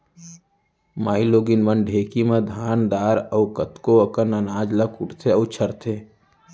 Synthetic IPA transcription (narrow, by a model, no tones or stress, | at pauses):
maːiloːɡinʋənɖʱeːkimɐd̪ʱaːnd̪aːɾəːkət̪koəkənənaːd͡ʒləkʊʈt̪ʰeəʊt͡ʃʰəɾt̪ʰeː